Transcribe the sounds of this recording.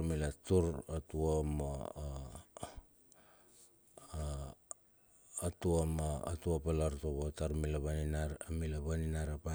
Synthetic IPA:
milatuɾatuomo | tuoma̰ːtuopalaɾtoβotaɾmilaβaninaɾamilaβaninaɾapa

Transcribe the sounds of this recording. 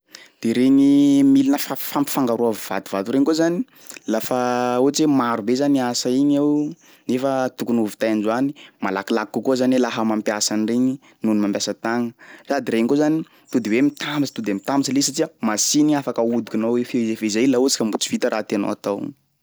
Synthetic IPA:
d̪̥eɾeɲimilinəfafampi̥faŋɡaɾuavv̥a̰t̪uvat̪uɾeŋkozani | lafauat͡ʃemaɾubezaniasaiɲew | nefət̪ukunuvi̥t̪ajand͡ʒuanimalakilakkːukuzanwelaɦəmampjasanireɲi | nunimambjasət̪aŋərad̪iɾeŋkozani | t̪ud̪iwemit̪ʰambist̪ud̪emit̪amisalesaʈ͡ʂiəmasiniafakəud̪ikʲunoefezefezajlaut͡si̥kəmbut͡si̥v̥it̪əɾat̪eno̰wat̪aw̰

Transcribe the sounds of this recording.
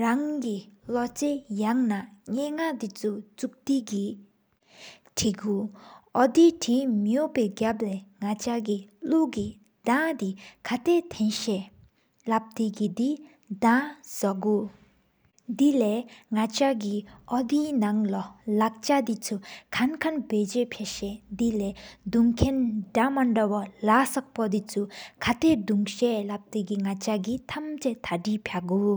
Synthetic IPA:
ɹaŋkilɔt͡sejaŋnaɲeːŋad̪it͡sʰut͡suk̚t̪iki | ʈ͡ʂʰiɡuʔɔd̪iʈ͡ʂʰimjoʔpɛːɡap̚lɛːŋat͡ɕakiluki | d̪at̪ikʰat̪et̪ʰɛnɕɛː | lap̚t̪ekid̪i | d̪asaɡu | d̪ilɛːŋat͡ɕak̬iʔɔd̪iːnaŋlalak̚t͡ɕad̪it͡sʰukʰankʰanbeːd͡ʑepʰeɕɛd̪ilɛːd̪uŋkʰendamaɳɖ͡ʐawalasak̚pɔd̪it͡sʰukʰat̪ed̪uŋɕɛlap̚t̪ekiŋat͡ɕaɡit̪ʰamt͡set̪ʰaɖ͡ʐipʰaʔɡu

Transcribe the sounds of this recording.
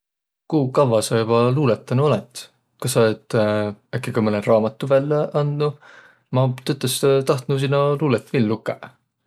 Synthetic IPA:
kuːkɑvɑsɑjubɑluːlet̪ːˑɑnuolet̪ˑ | kɑsɑet̪ːækːˑekɑmɤnerɑːmɑt̪ːˑuvælːeʔɑnd̪nu | mɑt̪øt̪ːˑest̪ɑht̪nus̬inːɑluːlet̪ːvilːukːˑe

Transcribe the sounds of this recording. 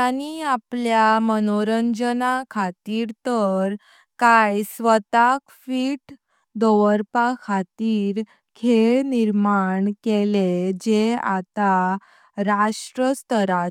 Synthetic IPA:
añiapljamənoɾəɲd͡ʑənakʰat̪iːɾt̪əɾ | kajsʋət̪akfiːʈ | d̪oʋəɾpakʰat̪iːɾ | kʰeɭniɾmaɳkeled͡ʑeat̪a | ɾaʂʈɾəst̪əɾa

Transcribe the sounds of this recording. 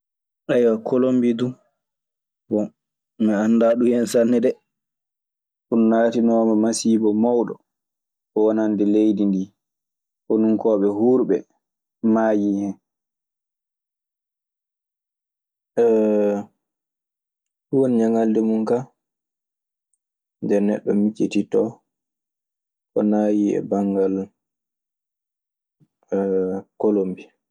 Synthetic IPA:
ʔajwakʰolombidu | bɔ | mɛanːdaɗujɛnsanːɛdɛ | ʔunːaːtinɔːmamasiːbɔmawɗɔ̰ | ɔwanandɛlejdindiː | ʔɔnuŋkɔːɓɛhuɾɓɛ | maːjihɛn | ɛ | kuwoniɲaŋaldɛmunka | ndɛɾnɛ̰ɗːɔmit͡ʃːititɔ | ʔɔnaːjiɛ̰baŋɡal | kolombi

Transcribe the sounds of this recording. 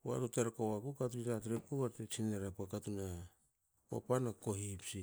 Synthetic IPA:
a̰tuteɾkowakukatuitat̬ɾep̚koβaɾtet͡ʃineɾapakatuna | a̰panakoɦipsi

